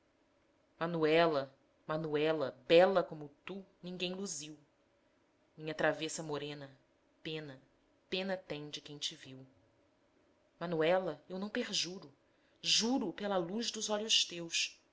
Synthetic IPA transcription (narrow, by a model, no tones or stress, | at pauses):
mɐnuɛlɐ | mɐnuɛlɐbɛlɐkõmʊt̪unĩŋɡẽj̃luziw | mĩɲɐt̪ɾavesɐmoɾẽnɐ | pẽnɐ | pẽnɐt̪ẽj̃d͡ʒɪkẽj̃t͡ʃɪviw | mɐnuɛlɐewnɐ̃w̃peɾʒuɾʊ | ʒuɾʊpelɐluʒd̪ʊzɔʎʊʃt̪ews